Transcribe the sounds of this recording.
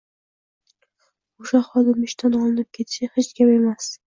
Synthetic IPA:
oʃaχɒd̪ɪmɪʃt̪ʰanɒlˠɪnɪp̚kʲʰe̞t̪ʰɪ̥ʃahet͡ʃkʲʰame̞mas

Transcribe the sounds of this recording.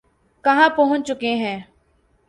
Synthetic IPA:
kɐɦãːpəɦʊ̃t͡ʃt͡ʃʊkeɦɛ̃ː

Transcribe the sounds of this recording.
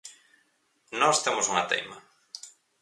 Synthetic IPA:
nɔst̪emʊsuŋɐt̪ḛjmɐ

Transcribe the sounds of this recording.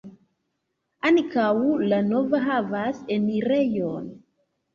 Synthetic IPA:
ankawlanovaɦavaseniɾejon

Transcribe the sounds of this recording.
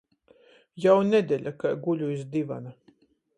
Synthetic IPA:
jawned̪ʲeʎʲakajɡuʎʲuisd̪iva̰na

